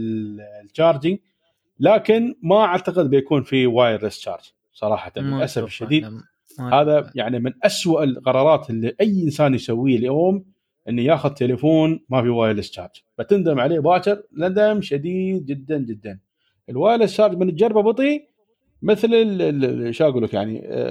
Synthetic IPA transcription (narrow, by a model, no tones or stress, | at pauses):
lt͡ʃɑːɾˤd͡ʒɪŋ | laːkɪnmaʔaʕt̪aqɪd̪̚bɪjakuːnfiwaːjɾɪst͡ʃɑ̰ːɾˤd͡ʒ | sˤɑɾˤɑ̰ːħat̪aʔasafɪʃːad̪iːd̪ | haːðajaʕnimɪnʔaswaʔlqɑɾˤɑːɾˤɑːt̪ʔɪlːiʔajʔɪnsaːnjsawːiːaljoːm | ʔɪnːijaːxʊðt̪elafoːnmafiwaːjɾɪst͡ʃɑ̰ːɾˤd͡ʒb̥at̪ɪnd̪ɪmʕaleːbaːt͡ʃɪɾnad̪amʃad̪iːd̪̚d͡ʒɪd̪ːand͡ʒɪd̪ːan | ʔəlwaːjɾˤɪst͡ʃːɑːɾˤd͡ʒmɪnət̪d͡ʒɑɾˤbabɨt̪ˤi | mɪθlɪlʃaːɡlakjaʕnḭ